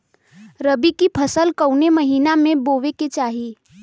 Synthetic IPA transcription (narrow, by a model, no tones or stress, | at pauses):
ɾəbikipʰəsəlkəwneməɦiːnamẽboːʋeket͡ʃaːɦi